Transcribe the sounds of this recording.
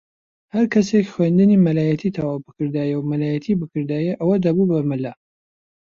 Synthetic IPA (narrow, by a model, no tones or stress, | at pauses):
hɐɾkʰɐsekχwend̪ɨnimɐlaːjɐt̪ʰit̪ʰawawbɨkɨɾd̪aːjɛwmɐlaːjɐt̪ʰibɨkɨɾd̪aːjɛʔɐwɐd̪ɐbubɐmɨlɐ